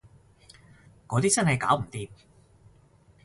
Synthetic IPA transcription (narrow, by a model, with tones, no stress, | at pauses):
kɔː˨˧t̪iː˥t͡sɐ˥nhɐ˨jkaː˨˥wm̩˨˩t̪iː˧p